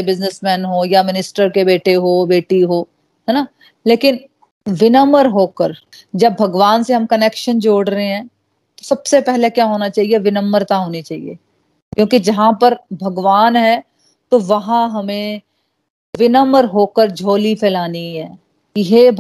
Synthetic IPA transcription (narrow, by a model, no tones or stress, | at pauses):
ebɪznɪsmɛ̃ːnɦoːjamɪnɪsʈəɾkebeːʈeɦoːbeːʈiɦoː | ɦɛːna | leːkɪn | ʋɪnəməɾɦoːkəɾ | d͡ʒɐbːʱɐɡʋaːnseɦɐmkɐneːkʃənd͡ʒoːɽɾɐɦeɦɛ̃ː | t̪osɐbsepɛɦlekjaːɦoːnat͡ʃaːɦieʋɪnəmːəɾt̪ãɦoːnit͡ʃaːɦḭḛ | kjõːkid͡ʒɐɦãpɐɾbʱɐɡʋaːnɦɛː | t̪oʋɐɦãɦɐmẽ | ʋɪnəməɾɦoːkəɾd͡ʒʱoːlipʰɛːlaːniɦɛː | kiɦe